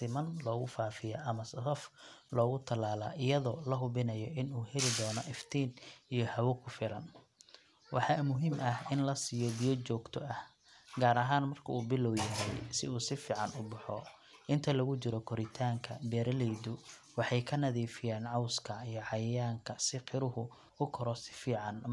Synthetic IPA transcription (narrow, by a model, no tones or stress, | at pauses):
sɪmɐnlɔːɣʊfaːfɪjɐʔɐmɐsɐsɐflɔːɣʊt̪ʰɐlaːla̰ːʔɪjɐðɔːlɐɦʊβɪnɐjɔʔɪnuːhɛlɪd̪ɔːnɔʔɪft̪ʰiːnijɔhɐwʊkʰʊfɪlɐn | wʔɑ̰ħɑːmʊɦimʔɐhɪnlɐsijɔbijɔt͡ʃɔːɡt̪ʰɔʔɐh | ɡaːɾɐɦaːnmɐrkʰɐuːbɪlɔwjɐɦɛjsɪuːsɪfiːʕɑnʊbɑħɔ̰ | ʔɪnt̪ʰɐlɐɣʊt͡ʃɪɾɔkʰɔɾɪt̪ʰaːŋkʰɐbɛːɾɐlɛjd̪ʊwɑħɑjkʰɐnɐðiːfɪjaːnʕɑwskʰɐijɞʕɑjɐjaːŋkʰɐsɪqʰɪɾʊɦʊ | ʊkʰɔɾɔsɪ̥fiːʕɑn